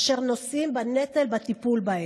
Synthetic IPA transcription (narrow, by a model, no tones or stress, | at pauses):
ʃeʁnosimbanet̪elbat̪ipulbae